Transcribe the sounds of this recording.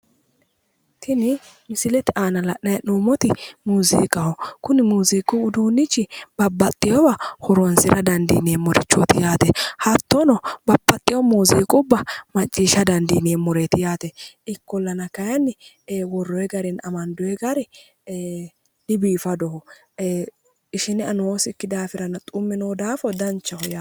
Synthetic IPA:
t̪ʰɪnɪ | mɪsɪlɛt̪ɪʔaːnɐlɐʔnɐjnuːmɔt̪ɪmuːzḭːkʼːɐhɔkʊnɪmuːziːkʼːʊʊd̪uːnːɪt͡ʃːɪb̥ɐbːɐt̪ʼːɪjɔbɐhɔɾɔnsɪɾʔɐd̪ɐnd̪ḭːneːmɔɾɪ̰t͡ʃːɔ̰t̪ɪjaːt̪ɛhɐt̪ːɔnɔbɐbːɐt̪ʼːɪjɔmuːziːkʼʊbːɐmɐt͡ʃʼːiːʃɐd̪ɐnd̪iːneːmɔɾet̪ɪjaːt̪ɛ | ɪkːɔlːɐnɐkɐjɐnːɪ | wɔrːɔjɛɡɐɾɪnɐmɐnd̪ɔjɛɡɐɾɛ | dɪbiːfɐd̪ɔhɔ | ɪʃɪnɪɐnoːsɪkːɪd̪aːfɪɾɐnɐt̪ʼʊmːɛnoːd̪aːfɔd̪ɐnt͡ʃːɐhɔja

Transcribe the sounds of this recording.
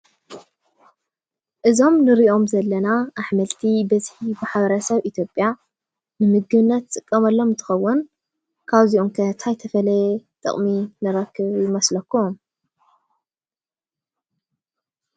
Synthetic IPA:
ʔɨzo̞mnɨɾiʔo̞mzɐlːɐnaʔaħmɐlt̪ʰibɐzħibɨħaβɐɾɐsɐβʔit̪ʰjo̞pʼja | nɨmɨɡ̚ɡɨβɨnːɐt̪t͡sʼɨkʼːɐmɐlːo̞mnt̪ʰɨ̥xɐwːʊn | kʰaβziʔomkʰɐt̪ʰajt̪ʰɐfɐlɐjt̪ʼɨ̰χʼminɨɾɐkʰːɨβjɪmɐslɐkːum

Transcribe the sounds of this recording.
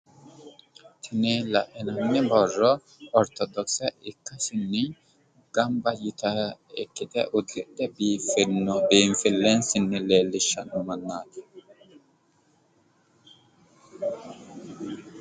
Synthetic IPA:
t̪ʰɪnɛlɐʔɪnɐnːɪbɔrːɔ | ɔɾt̪ɔd̪ɔksɛɪkːɐsɪnːɪ | ɡ̥ɐmbɐjɪt̪ɐɛkːɪt̪ɛ̰ʔʊd̪ːɛd̪ɛbiːfɪɾnːɔbiːnfɪlːɛnsɪnːɪleːlːɪʃːɐnʊmɐnːaːt̪ɪ̥

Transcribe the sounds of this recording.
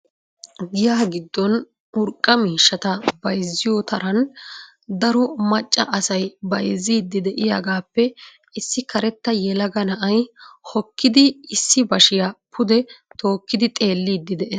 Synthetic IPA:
ɡɪjaːɡɪd̪ːɔn | ʊɾkʼːɐmiːʃːɐt̪ɐb̥ɐjzːɪjɔt̪ɐɾɐn | d̪ɐɾɔmɐt͡ʃʼːɐ̰ʔɐsɐjbɐjziːd̪ːɪd̪ɛʔɪja̰ːɡaːpːɛ | ɪsːɪkʰɐɾɛt̪ːɐjɛlɐɡɐnɐʔɐjhɔkːɪd̪ɪːsːɪbɐʃɪjapʰʊd̪ɛt̪ʰo̞ːkːɪd̪ɪt̪ʼe̞ːlːiːd̪ːɪd̪ɛʔɛ

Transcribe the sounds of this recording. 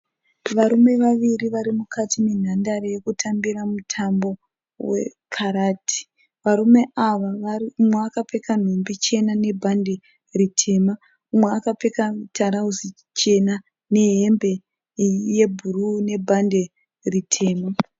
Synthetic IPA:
ʋaɾume̞ʋaʋiɾiʋaɾimukʰatʰine̞n̤andaɾejekutʰambiɾamutʰambo̞ | wḛkʰaɾaːtʰi̥ | ʋaɾume̞ʔaʋaʋariumweakape̞kan̤ombit͡ʃe̞nane̞bʱande̞ | ritʰe̞ma | umweakapekatʰaɾauzi | t͡ʃe̞na | ne̞ɦembe̞ | je̞bʱurune̞bʱande̞ | ritʰe̞ːma

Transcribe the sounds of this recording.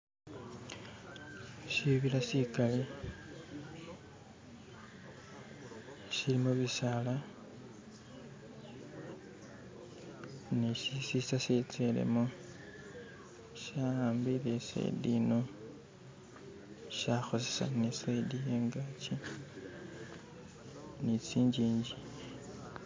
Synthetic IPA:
siβilasikali | silimuβisala | niʃisisaset͡selḛmo | ʃaaːmbiɾesḛdino | ʃaxo̞sesa̰nisedijeːŋɡaci | nit͡siːɲɟiːɲɟi̥

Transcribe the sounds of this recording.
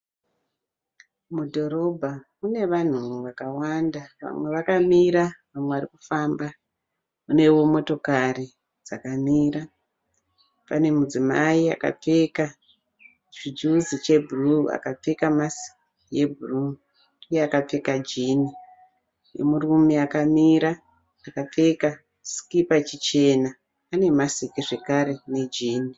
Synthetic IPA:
mudʱo̞ɾo̞bʱa | une̞ʋan̤uʋakawandaʋa̰mwe̞ʋakamiɾaʋamweʋaɾikufamba | une̞wo̞mo̞to̞kari | d͡zakamiːɾa | pane̞mud͡zimaia̰ka̰p͡fe̞ka | t͡ʃid͡ʒuzit͡ʃe̞bʱurua̰kap͡fe̞kamasi̥ | je̞bʱuru | uje̞akap͡fe̞kad͡ʒini | jḛmurumiakamiɾaː | kap͡fe̞ka | skipat͡ʃit͡ʃe̞na | ane̞masikiʐe̞kaɾe̞ne̞d͡ʒiːni

